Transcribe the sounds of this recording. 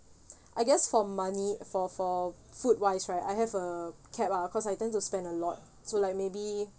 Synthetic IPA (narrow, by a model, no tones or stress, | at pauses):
ʔajɡɛsfɔmãnifɔfɔ | fut̚wajsɹajtajɦɛvəkʰɛpakʰɔsajtɛ̃ntuspɛ̃ndəlɔt̚ | solajk̚mebi